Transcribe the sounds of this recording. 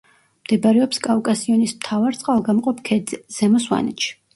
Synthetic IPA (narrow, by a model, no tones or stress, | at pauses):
md̪̥ɛbaɾɛɔpskʼavkʼasiɔnismt̪ʰavaɾt̪sʼqʼalˠɡamqʼɔpʰkʰɛd̪zɛz̥ɛmɔswa̰nɛ̰ʃi̥